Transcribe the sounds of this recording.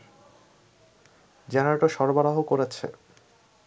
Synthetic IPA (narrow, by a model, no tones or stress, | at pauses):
d͡ʑɛnaɾʈoʃɔɾbaɾaɦokoɾet͡ɕʰḛ